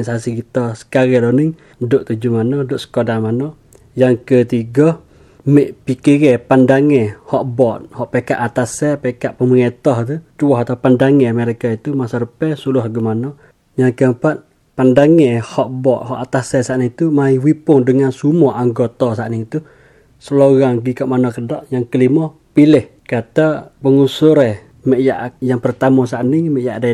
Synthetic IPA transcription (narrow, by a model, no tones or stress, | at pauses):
nsasikit̪ɔsə̥kaɾɛloniŋ | doʔt̪ud͡ʒumanɔdoʔsə̥kodamanɔ | jaŋkət̪iɡɔ | mɛʔpikiɣɛpandaŋɛhɔʔbɔt̪̚hɔʔpeka̰ʔat̪asɛpekaʔpəməŋet̪ɔht̪ut̪uɔɦat̪aupandaŋɛməɾekait̪umasaɾəpɛsulʊɦaɡumanɔ | jaŋkəəmpat̪̚ | pandaŋɛhɔʔbɔʔ̪̚hɔʔat̪asɛsaʔnɪŋt̪umaiwipʊŋdəŋansumɔʔaŋɡot̪ɔsaʔnɪŋit̪u | səloɣaŋɡikaʔmanɔkədɔʔjaŋkəlimɔ | pilɪh | kat̪apəŋusʊɾɛh | mɛʔjaʔjaŋpərt̪amɔsaʔnɪŋmɛʔjaʔde